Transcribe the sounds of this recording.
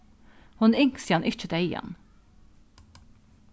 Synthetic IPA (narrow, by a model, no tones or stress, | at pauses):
hʊnʏŋksiːɑnʔʏt͡ʃəd̪œʏɑ̰n